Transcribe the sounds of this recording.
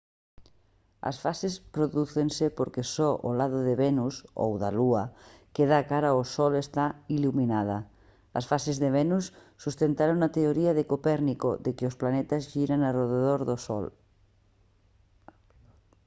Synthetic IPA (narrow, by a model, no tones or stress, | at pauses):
ɐ̰sfasespɾoðuθensepoɾkesɔʔolaðoðeβenuso̰wðaluakeð̞akaɾaosɔlest̪ailuminað̞a | ɐ̰sfasezðeβenusː | ust̪ent̪aɾoŋnat̪eoɾiaðekopɛɾnikoðekeosplanet̪azʒiɾanaroðeðoɾðosɔ̰l